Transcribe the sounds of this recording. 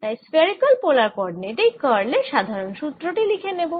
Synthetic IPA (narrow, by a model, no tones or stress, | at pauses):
t̪ajspeɾikolpolaɾpɔɖneʈejkɔɾleʃad̪ʱaɾonʃut̪ːɾoʈilikʰenebo